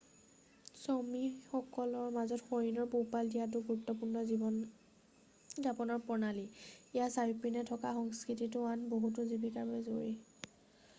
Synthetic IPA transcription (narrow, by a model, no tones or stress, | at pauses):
somixɔkɔlɔɹmazɔtxoɹinɔɹpopaldijat̬ʊɡuɹup̚tːɔpuɹnɔziɔn | zapɔnɔɹpɔɹnaliijasajipɹinɛtʰɔkaxɔŋskɹititʊanboɦut̬ʊzibikabɛzoɹi